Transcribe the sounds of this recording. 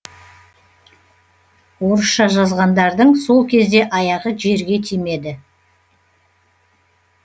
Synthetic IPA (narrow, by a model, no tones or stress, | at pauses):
woɾəsʃɑʒɑzʁɑnd̪ɑɾd̪əɴso̞lˠkʲʰe̞zd̪e̞ʔɑjɑʁəʒe̞ɾɡʲe̞t̪ʰime̞d̪ɪ